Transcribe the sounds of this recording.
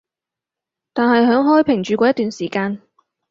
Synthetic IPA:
t̪aː˨nɦɐ˨jɦœː˨˥ŋɦɔː˥jpʰɪ˨˩ŋt͡ʃyː˨˧kʷɔː˧˥jɐ˥t̪yː˨nsiː˨˩kaː˧n

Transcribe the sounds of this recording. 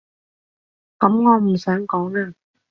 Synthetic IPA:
kɐ˨˥mŋɔː˨˧m̩˨˩sœː˨˥ŋkɔː˨˥ŋnaː˧˩

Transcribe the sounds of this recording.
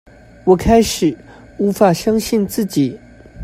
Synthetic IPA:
wɔ˨˩kʰa˥ɪʂɻ̩˨˩˦ | u˧˥fa˨˩ɕjɑ˥ŋɕi˥˧nt͡sɹ̩˥˩t͡ɕi˨˩˦

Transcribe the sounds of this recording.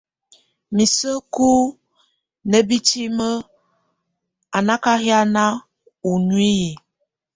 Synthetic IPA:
mi˨sə˦ku˦ | nə˦bi˦t͡ʃi˦mə˦ | a˨na˦ka˦ɦja˦na˦ | u˨nwi˦ji˨

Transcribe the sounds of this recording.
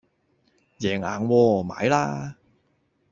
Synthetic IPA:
jɛː˨˩ŋa̰ː˨˩nwɔː˧ma̰ː˨˥jla̰ː˧

